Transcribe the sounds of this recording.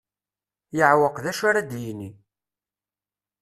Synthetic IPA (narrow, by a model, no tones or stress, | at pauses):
jəʕwəqðæʃʊɾæd̪jini